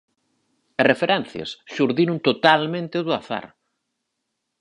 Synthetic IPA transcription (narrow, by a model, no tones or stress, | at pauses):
ɐrefeɾɛnθjɐ̰sʃuɾðinʊnt̪ot̪almẽnt̪ɪðʊaθa̰ɾ